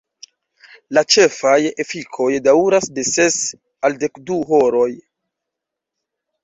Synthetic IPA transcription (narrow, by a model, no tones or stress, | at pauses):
lat͡ʃe̞faje̞fikʰo̞jdauɾasde̞se̞s | alde̞kduɦoɾo̞j